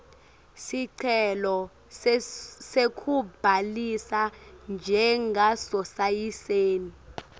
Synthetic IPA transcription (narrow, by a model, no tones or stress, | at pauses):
siǀʰɛlɔ | sekʰub̥ʱalisand͡ʒʱɛŋɡasɔsajiseːni